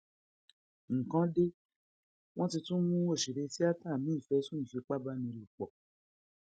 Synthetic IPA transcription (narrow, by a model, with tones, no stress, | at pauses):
ŋ̩˨kã˨˦de˦ | w̃ɔ̃˦ti˧tũ˦mũ˦o˦˨ʃi˨ɾe˧si˦a˦ta˦˨mĩ˦˨fɛ˨˦sũ˦nĩ˨fi˧k͡pa˦ba˦nĩ˧lu˨k͡pɔ˨